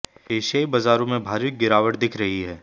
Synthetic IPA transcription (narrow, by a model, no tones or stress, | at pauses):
eːʃaːibazaːɾõmẽbʱaːɾit̪̚ɡɪɾaːʋəʈd̪ɪkʰɾɐɦiɦɛː